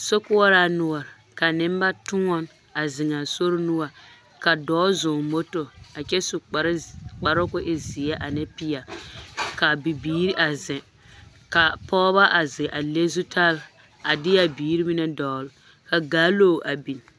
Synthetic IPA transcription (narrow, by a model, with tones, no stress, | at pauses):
so˦kʊ˦ɔ˦ɾa˦nʊ˨ɔ˨ɾ | ka˨nɪ˦m˦ba˦tʊ˦ŋɔ˦n | a˨zɪ˨ŋa˨so˦ɾnu˦wa˨ | ka˨dɔː˦zʊː˨mo˦to˨a˨t͡ʃɛ˦su˨˦k͡pa˨ɾʊ˦kʊ˦ʔɪ˦zɪ˨ɛ˦ʔa˨nɛ˦pi˦a˨ka˨bi˨biː˨˦ɾi˦ʔa˨zɪ˨ | ka˨pɔː˦ba˦ʔa˨zɪ˨ʔa˨le˦zu˦tʰa˦l | a˨dɪ˦ja˦biː˨˦ɾi˦mi˦nɛ˦dɔː˨lʊ˨ | ka˨ɡaː˦loː˦˨ʔa˨bi˨n